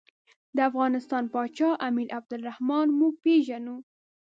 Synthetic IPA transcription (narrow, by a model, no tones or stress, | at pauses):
d̪əafɣɑnɪst̪ɑnpɑt͡ʃɑʔamiɾab̚d̪ʊlɾahmɑnmuɡ̚peʒanu